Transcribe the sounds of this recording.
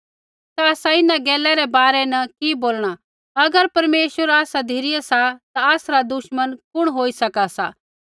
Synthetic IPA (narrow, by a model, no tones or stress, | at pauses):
t̪aɐːsaɪnãɡɛːlɛɾɛbaːɾɛnɐkiboːlɽ̃a | ɐɡəɾpɐɾmeːʃwəɾaːsad̪ʱiɾɪjasat̪aɐsɾad̪ʊʃmənkʊɽ̃ɦoːisɐkasa